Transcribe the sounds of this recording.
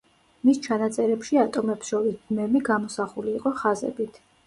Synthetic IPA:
mist͡ʃʰanat̪sʼɛɾɛpʃiat̪ʼɔmɛpsʃɔɾisd̪mɛmiɡamɔsaχuliːqʼɔχazɛ̰bit̪ʰ

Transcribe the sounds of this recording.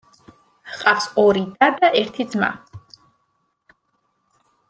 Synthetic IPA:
hqʼafsɔɾid̪ad̪aʔɛɾt̪ʰid̪zma̰

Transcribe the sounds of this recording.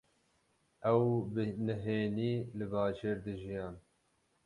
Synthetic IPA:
ʔɛwbɨnɨɦeːniːlɨbɑːʒeːɾd̪ɨʒijɑːn

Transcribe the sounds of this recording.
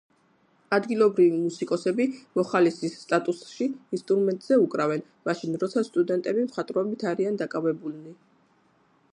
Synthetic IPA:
ad̪ɡilˠɔbɾivimusikʼɔsɛbimɔχalisisːt̪ʼat̪ʼusʃiinst̪ʼuɾmɛnt̪ʼz̥ɛukʼɾavɛn | maʃinɾɔt̪sʰast̪ʼud̪ɛnt̪ʼɛbimχat̪ʼɾɔbit̪ʰaɾiand̪akʼavɛbulni

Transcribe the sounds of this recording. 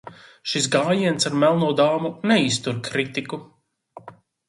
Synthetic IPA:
ʃisɡaːjiɛnsaɾmɛlˠnuɔd̪aːmunɛist̪uɾkɾit̪iku

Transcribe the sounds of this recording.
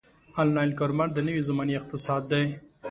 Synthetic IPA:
alnɑjnkoɾmaɾd̪ənəwizamɑniɪq̚t̪ɪsɑd̪ːaj

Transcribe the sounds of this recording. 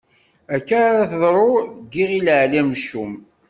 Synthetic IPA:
ækːaɾaθðˤɾˤoɡiʁilʕlæmʃːum

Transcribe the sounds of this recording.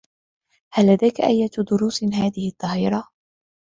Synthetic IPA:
halːad̪ajkaʔajːat̪d̪ʊɾuːsɦaːðɪhɪt̪ˤːɑɦiːɾˤɑ

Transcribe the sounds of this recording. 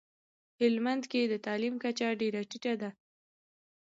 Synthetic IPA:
hɪlmand̪ked̪ət̪ɑlimkat͡ʃaɖeɾaʈiʈad̪a

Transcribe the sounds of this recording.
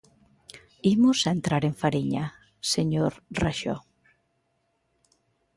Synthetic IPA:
imʊsaent̪ɾaɾeɱfaɾiɲa | seɲoɾraʃɔ̰

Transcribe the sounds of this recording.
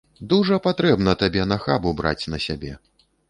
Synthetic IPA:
d̪uʐɐpat̪ɾɛbnɐt̪abʲɛnɐxabubɾa̰t͡sʲnɐsʲabʲɛ

